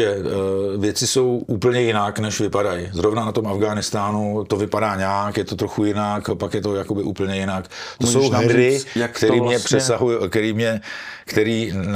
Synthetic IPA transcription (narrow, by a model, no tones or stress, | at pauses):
ɛvjɛt͡sɪso̞wʔuːpl̩ɲɛjɪnaknɛʃvɪpadajɪzɾo̞vnanat̪o̞mafɡaːnɪst̪aːnut̪o̞vɪpadaːɲaːkjɛt̪o̞t̪ɾoxujɪnakpakjɛt̪o̞jako̞bɪʔṵːpl̩ɲɛjɪnakt̪osowɦɛɪkt̪ɛɾiːmɲɛpr̥ɛsaɦujkt̪ɛɾiːmɲɛkt̪ɛɾiːn